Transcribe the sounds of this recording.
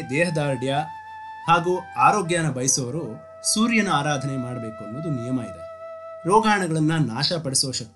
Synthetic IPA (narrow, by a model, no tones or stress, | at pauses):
d̪ɛːɦɐd̪aːɾɖjɐ | haːɡuːaːɾoːɡjaːnɐbɐjsɐʋɐɾu | suːɾjɐnuaːɾaːd̪ʱɐnemaːɽɐbeːkuɐnbɐd̪unijɐmaːjid̪e | ɾɔːɡaːɳɐɡɐɭɐnːɐnaːʃɐpɐɽisoːʂɐt̪ː